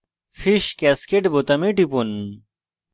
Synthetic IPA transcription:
fiʃkɛskeʈbot̪ɐmiʈipun

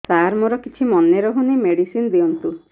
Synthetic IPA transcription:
saɾmɔɾɔkit͡ʃʰimɔnːeɾɔɦunimeɽisind̪iɔnt̪u

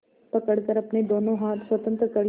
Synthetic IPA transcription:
pɐkəɽkəɾɐpned̪oːnõɦaːt̪swɐt̪ə̃nt̪ɾəkɐɾ

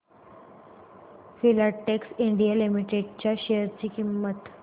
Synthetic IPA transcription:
filaʈːeksiɳɖijalimiʈeɖ̚t͡ɕjaɕejəɾt͡ɕiːkimːət̪

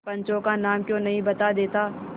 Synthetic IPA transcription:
pɐ̃ɲt͡ʃõkanaːmkjõːnɐɦĩbɐt̪ad̪eːt̪aː

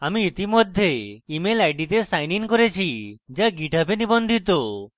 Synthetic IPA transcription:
amiit̪imɔd̪ʱːeimelajɖit̪esajniŋkɔɾet͡ʃʰid͡ʒaɡiʈapenibɔnd̪ʱit̪o

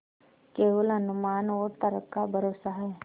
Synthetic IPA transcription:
keːʋələnʊmaːnoːɾt̪əɾəkːabʱəɾoːsaɦɛː

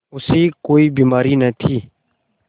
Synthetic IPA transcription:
ʊsiːkoːiːbiːmaːɾiːnət̪ʰiː

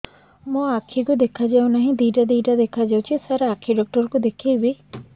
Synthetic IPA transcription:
mõakʰikud̪ekʰad͡ʒaw̃naɦĩd̪iʈad̪iʈad̪ekʰad͡ʒawt͡ʃʰisaɾakʰiɖɔk̚ʈɔɾkud̪ekʰibi

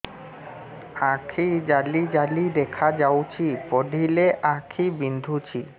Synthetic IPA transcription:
ãkʰid͡ʑalid͡ʑalid̪ekʰad͡ʑawt͡ɕʰipoɖʱileʔakʰibind̪ʱut͡ɕʰi

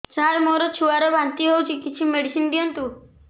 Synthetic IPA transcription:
t͡ʃalmoɾɔt͡ʃʰuaɾebʱant̪iɦowt͡ʃʰikit͡ʃʰimeɽisinbijɔnt̪u

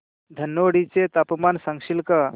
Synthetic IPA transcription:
d̪ʱənːoɽit͡ɕet̪apmansaŋʃilka

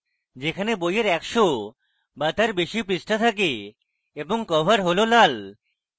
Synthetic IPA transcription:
d͡ʑekʰanebojeɾɛkʃo | bat̪aɾbeʃipɾisʈʰat̪ʰak̬e | eboŋkɔbʱaɾɦololal

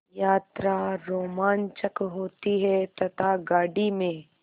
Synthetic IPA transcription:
jaːt̪ɾaɾoːmaːnt͡ʃəkɦoːt̪iɦɛt̪ɐt̪ʰaɡaːɖimẽː

